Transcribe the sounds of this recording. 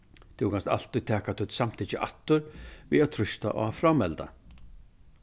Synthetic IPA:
t̪ʰɪkʰanst̪a̰l̥t̪ʏjt̪ʰɛːkat̪ʰʏt̪sam̥t̪ʰiːt͡ɕɪʔa̰t̪ːʏɾviːaðt̪ʰɾʏst̪a̰ʔɔ̰afɾamːɛlt̪a̰

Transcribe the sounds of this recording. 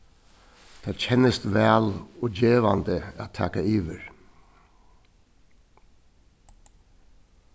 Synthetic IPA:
d̪̥æːɾçʰɛnəst̪ʋæːloːd͡ʒeːʋand̪əæ̰ːtt̪ʰɑ̰ːkaiːʋəɹ

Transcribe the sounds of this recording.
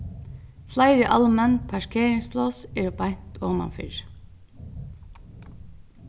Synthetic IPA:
flaɪɾɪʔa̰lːəmɛnpʰæʂkʰeːɾɪŋsplɔsɛːɹbajn̥t̪ʰɔːmɑ̰nfɪ̰ɹ

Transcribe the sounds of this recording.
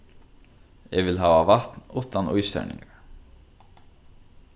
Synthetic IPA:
ɛɡvɪlɦaːvavaht̪nuːt̪anujst̪œ̰ɾnɪ̰ŋɡaɹ

